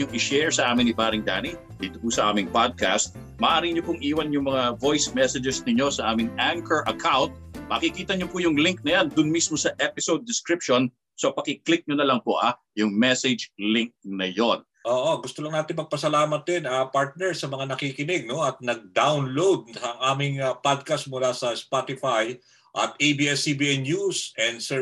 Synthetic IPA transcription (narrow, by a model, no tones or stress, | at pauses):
ʊŋɪʃɛɹsɐʔaːmɪnːɪbaɾɪŋd̪a̰ni | d̪iːt̪opʊsɐʔa̰ːmɪŋpad̪̚ka̰st̪̚ | mɐʔaːɾɪɲopʊŋʔiːwɐnjʊŋmɐŋavo̞jsmɛsɛd͡ʒɛsnɪɲo̞sɐʔaːmɪŋʔaŋkɛɹʔɐkʰawnt̪̚mɐ̰kɪkiːt̪ɐɲopʊjʊŋliŋk̚nɐjand̪ʊnmismosɐʔɛpɪsowd̪̚ːɪskɾɪp̚ʃon | sopɐkɪklɪk̚ɲonɐlɐŋpoʔa | jʊŋmɛsɛd͡ʒliŋk̚nɐjo̞n | ʔoːʔoɡʊst̪olɐŋnaːt̪ɪŋmɐɡ̚pɐsɐlaːmɐt̪̚ɛnɐpaɹt̪̚nɛɹsɐmɐŋanɐkikɪnɪɡ̚no̞ɐt̪̚nɐɡ̚d̪awnlowd̪̚ɐŋʔaːmɪŋpad̪̚kɐst̪̚mʊlasɐspat̪ɪfaj | ʔɐt̪ejbiːɛsibiɛnjusɛnd̪sɛ